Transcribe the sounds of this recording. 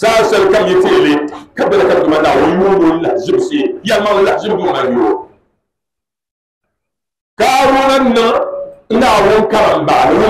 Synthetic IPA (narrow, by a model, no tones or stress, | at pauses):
saːsɛlkajɛtielɨkabɛlakadʊmalawojuon̩laʔzɪbsejalmaŋlaʔzɨbbumajo | kaɾonan̩nɨn̩nawoŋkamam̩baʔnɨ